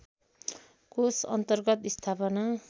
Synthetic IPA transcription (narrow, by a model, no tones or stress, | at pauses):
kosʌnt̪ʌrɡʌt̪ist̪ʰapʌna